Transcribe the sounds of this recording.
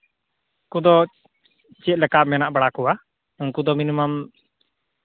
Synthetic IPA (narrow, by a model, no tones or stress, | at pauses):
kud̪ɔ | t͡ʃɛt̪̚ˀlɛkamɛnaʔbaɽakuwa | uŋkud̪ɔminimam